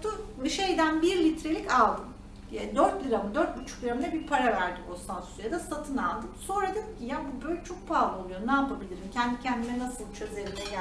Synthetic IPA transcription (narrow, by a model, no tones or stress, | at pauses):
t̪ʰuʃe̞jd̪ænbiɾlʲit̪ʰɾe̞lʲicalˠd̪ɯm | jad̪øɾt̪lʲiɾamɯd̪øɾt̪̚but͡ʃʰu̥klʲiɾamd̪ɛbiɾpʰaɾavæɾd̪iosansy̥sjad̪asat̪ʰɯnalˠd̪ɯmso̞ɾad̪ɯkcʰijaːnbubølʲt͡ʃʰo̞k̚pʰaːlˠuo̞lˠujo̞naːpabilʲiɾimcʰɛnd̪icʰænd̪inɛnasɯlˠt͡ʃʰøzeɾinɛj